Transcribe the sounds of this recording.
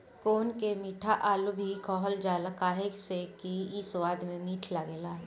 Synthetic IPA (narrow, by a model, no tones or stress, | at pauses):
koːnkemiːʈʰaʔaːlubʱikɔːɦəld͡ʒaːləkaːɦeksekiiswaːd̪mẽmiːʈʰlaɡeːlaː